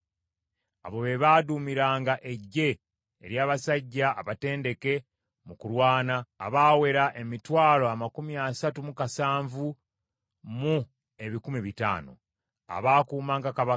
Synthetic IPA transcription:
a̰βo̞βe̞βaːdumiɾaːŋɡaʔe̞ɟːe̞̰ː | ɾjaːβasaɟːa̰ːβate̞ːnde̞ke̞ | mukuɾwaːna̰ːβaːwe̞ɾaʔe̞mitwaːlo̞amakumiasatumukasaːɱvu | mu | e̞βikumiβita̰ːno̰ | a̰βaːkuːmaːŋɡakaβa

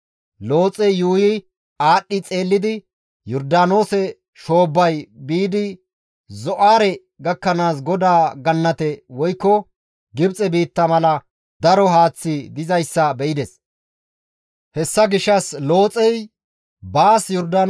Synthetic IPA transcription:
lo̞ːt͡sʼɛjjuːjɪ | aːɗːɪt͡sʼe̞ːlːɪd̪ɪ | jɔɾd̪aːno̞ːsɛ | ʃo̞ːbːɐjbiːd̪ɪ | zɔʔaːɾɛ | ɡɐkːɐnaːsɡɔd̪aːɡɐnːɐt̪ɛwɔjkːɔ | ɡɪbt͡sʼɛbiːt̪ːɐmɐlɐ | d̪ɐɾɔɦaːt͡sːɪd̪ɪzɐjsːɐbɛʔɪd̪ɛs | hɛsːɐɡɪʃːɐslo̞ːt͡sʼɛj | baːsjɔɾd̪aːn

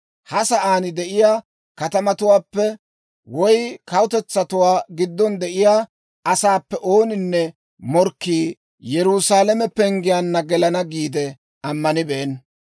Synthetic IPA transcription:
hɐsɐʔaːnɪd̪ɛʔɪjaː | kɐt̪ɐmɐt̪ʊwaːpːɛ | wɔjkɐwʊt̪ɛt͡sːɐt̪ʊwaːɡɪd̪ːɔnd̪ɛʔɪjaː | ɐsaːpːɛʔo̞ːnɪnːɛ | mɔɾkːiː | jɛɾusaːlɐmɛpɛŋɡɪjaːnːɐɡɛlɐnɐɡiːd̪ɛ | ɐmːɐnɪbeːn

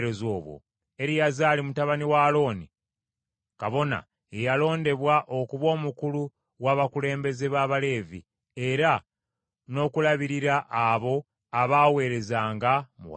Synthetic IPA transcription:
ɾezo̞ːβwo̰ | e̞ɾijazaːlimutaβaniwalo̞ːni | kaβo̞na̰ | ejalo̞ːnde̞βwaʔo̞kuβo̞ːmukulu | waːβakule̞ːmbe̞ze̞βaːβale̞ːvḭ | e̞ɾa | no̞ːkulaβiɾiɾaʔːβo̞ | aβaːwe̞ːɾe̞zaːŋɡamṵ

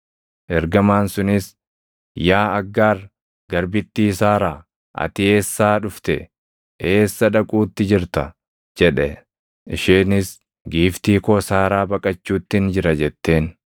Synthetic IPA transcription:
ʔɛɾɡɐmaːnsʊnɪs | jaːɐɡːaːɾ | ɡɐɾbɪt̪ːiːsaːɾaː | ʔɐ̰t̪ɪe̞ːsːaːᶑʊft̪ɛ̰ | eːsːɐᶑɐkʼuːt̪ːɪd͡ʒɪɾt̪ɐ | d͡ʒɛᶑɛ | ɪʃeːnɪs | ɡiːft̪iːkɔsaːɾaːbɐkʼɐt͡ʃːuːt̪ːɪnd͡ʒɪɾɐd͡ʒɛt̪ːe̞ːn

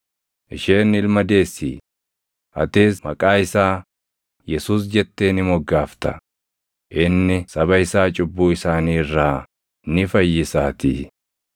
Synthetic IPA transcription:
ʔɪʃeːnɪlmɐd̪e̞ːsːḭː | hɐ̰t̪eːsmɐkʼaːɪsaː | jɛsuːs̬d͡ʒɛt̪ːe̞ːnɪmɔɡːaːft̪ɐ | ʔɪnːɪsɐbɐɪsaːt͡ʃʼʊbːuːɪsaːniːrːaː | nɪfɐjːɪsaːt̪ḭː

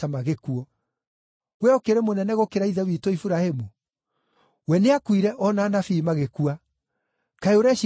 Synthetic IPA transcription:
amaɣekuɔ | ɣwɛɔkeɾemonɛnɛɣokeɾaiðɛwitoifuɾahemu | wɛneakwiɾɛʔɔnaːnafiːmaɣekua | kaeoɾɛʃ

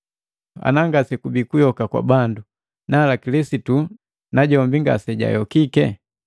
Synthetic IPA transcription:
a̰naŋɡasɛkubikujɔkakwa̰bandu | naːlakilisitu | naɟɔmbiŋɡa̰sɛɟa̰jɔkikɛ

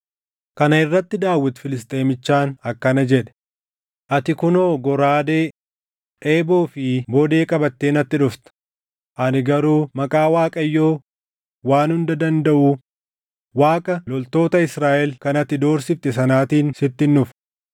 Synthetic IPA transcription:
kɐnɐɪrːɐt̪ːɪd̪aːwːɪt̪fɪlɪs̬t̪ʼe̞ːmɪt͡ʃːaːnɐkːɐnɐd͡ʒɛᶑɛ̥ | ʔɐt̪ɪkʊnoːɡɔɾaːd̪eː | ᶑe̞ːboːfɪboːd̪e̞ːkʼɐbɐt̪ːe̞ːnɐt̪ːɪᶑʊft̪ɐ̥ | ʔɐnɪɡɐɾuːmɐkʼaːwaːkʼɐjːo̞ː | waːnhʊnd̪ɐd̪ɐnd̪ɐʔu | waːkʼɐlɔlt̪o̞ːt̪ɐɪsɾaːʔɛlkɐnɐt̪ːɪd̪o̞ːɾsɪft̪ɛsɐnaːt̪iːnsɪt̪ːɪnːʊf

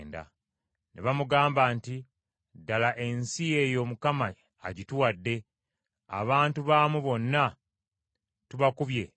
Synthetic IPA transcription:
nda̰ | neβamuɡaːmbaːnti | dalaʔe̞nsijejo̞ːmukamaː | ɟituwadːe̞ | a̰βaːntuβaːmuβo̞nːa | tuβakuβje̞

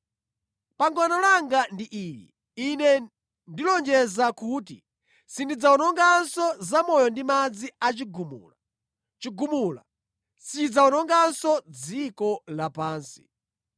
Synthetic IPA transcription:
paŋɡɔnɔlaŋɡandiʔijḭ | inɛ | ndilɔnd͡ʒɛzakuːt̬i | sindid͡zawɔnɔŋɡansɔzamɔjɔndimad͡ziat͡ʃiɡumṵːla | t͡ʃiɡumula̰ | sid͡zaɔnɔŋɡansɔd͡zikɔlapaːnsi̥

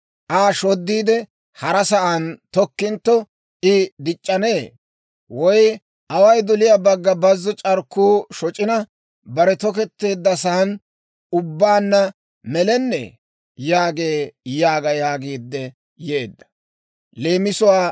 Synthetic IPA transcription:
ʔaːʃɔd̪ːiːd̪ɛ | hɐɾɐsɐʔɐnt̪ɔkːɪnt̪ːɔ | ɪd̪ɪt͡ʃʼːɐne̞ː | wɔj | ʔɐwɐjd̪ɔlɪjabɐɡːɐbɐzːɔt͡ʃʼɐɾkːuːʃɔt͡ʃʼɪnɐ | bɐɾɛt̪ɔkɛt̪ːe̞ːd̪ːɐsɐɐn | ʊbːaːnːɐ | mɛlɛnːɛ̰ | jaːɡe̞ːjaːɡɐjaːɡiːd̪ːɛ | jeːd̪ːɐ̥ | leːmɪsʊwaː

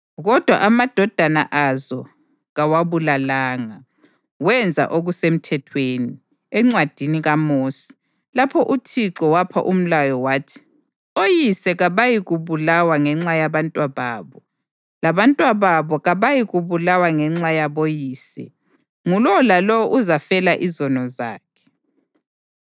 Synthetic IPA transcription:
ɣɔd̥ʱwa̰ʔamad̥ʱɔd̥ʱana̰ʔazɔ | ɣawaβulalaːŋa | wɛnd͡zʱa̰ʔoɣusem̩tʰɛtʰweni | ɛŋ͡ǀwad̥ʱiniɣamoːsi̥ | lapʰɔʔutʰiǁɔwapʰa̰ʔum̩lajɔwaːtʰi̥ | ojisɛɣaβajiɣuβulawaŋɛŋ͡ǁajaβantʼwaβaːβɔ | laβantʼwaβaβɔɣaβajiɣuβulawaŋɛŋ͡ǁajaβojiːsɛ̰ | ŋulɔlalɔʔuzafɛlaʔizɔnɔza̰ːkʰɛ̥

